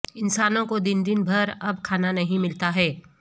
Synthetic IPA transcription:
ɪnsaːnõkod̪ɪnd̪ɪnbʱɐɾɐbkʰaːnanɐɦĩmɪlt̪aɦɛː

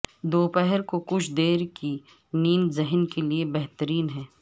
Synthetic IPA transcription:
d̪oːpɛɦɛɾkokʊt͡ʃʰd̪eːɾki | niːnzɪɦnkeliebɛɦt̪əɾiːnɦɛː

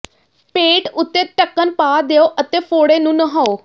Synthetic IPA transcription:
peːʈʊt̪ːeːʈəkːənpaːd̪eːoːʔət̪eːpʰoːɽeːnũːnəɦaːoː

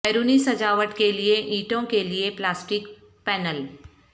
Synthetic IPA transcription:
ɛːɾuːnisɐd͡ʒaːʋəʈkelieʔiːʈõkelieplaːsʈɪk | pɛːnəl

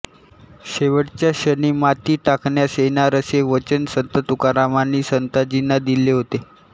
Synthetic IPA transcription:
ɕeʋəɽt͡ɕjaɕəniːmat̪iːʈakɳjasenaɾəseʋət͡ɕənsənt̪ət̪ukaɾamanːiːsənt̪ad͡ʑinːad̪ileɦot̪e

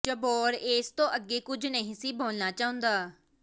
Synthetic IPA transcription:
d͡ʒəboːɾeːst̪õːʔəɡːeːkʊd͡ʒʱnəɦĩːsiːbʱoːlnaːt͡ʃaːɦʊ̃nd̪aː

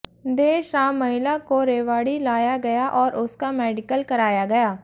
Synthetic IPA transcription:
d̪eːʃɾaːmːəɦɪlakoɾeːʋaːɽilaːjaɡɐjaːʔɔːɾʔʊskamɛːɖɪkəlkəɾaːjaɡɐjaː

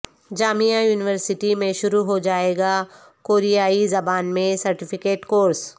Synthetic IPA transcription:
d͡ʒaːmijajuːnɪʋəɾsɪʈimẽʃʊɾuɦod͡ʒaːeːɡa | koːɾijaːizɐbaːnmẽsɐɾʈɪfʰɪkeːʈkoːɾs

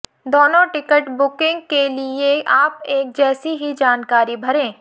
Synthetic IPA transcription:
d̪oːnõʈɪkəʈbʊkɪ̃ŋɡkelieʔaːpeːk̚d͡ʒɛːsiɦid͡ʒaːnkaːɾibʱɐɾẽː

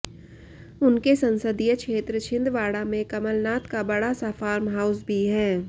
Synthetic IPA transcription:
ʊnkesɐ̃nsəd̪ijəkʃeːt̪ɾəʃʰɪ̃nd̪ʋaːɽamẽkɐməlnaːt̪kabɐɽasafaːɾmɦaːʊsbʱiɦɛː

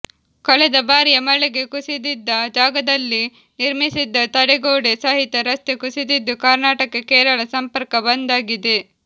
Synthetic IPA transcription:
kɔɭɛd̪ɐbaːɾijɐmɐɭɛɡe̞kusid̪id̪ːɐd͡ʒaːɡɐd̪ɐlːi | niɾmisid̪ːɐt̪ɐɽɛɡoːɽesaːɦit̪ːɐɾɐst̪ekusid̪id̪ːukaːɾnaːʈɐkɐkɛːɾɐɭɐsɐmpɐɾkɐbɐnd̪aːɡid̪e̞

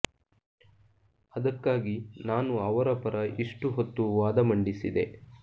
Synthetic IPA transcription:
ɐd̪ɐkːaːɡinaːnuɐʋɐɾɐpɐɾɐʔiʂʈuɦot̪ːuʋaːd̪ɐmɐɳɖisid̪e̞

